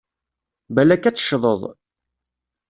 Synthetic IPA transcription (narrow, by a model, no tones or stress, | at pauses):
bælækːæt͡sːə̥ʃðˤəðˤ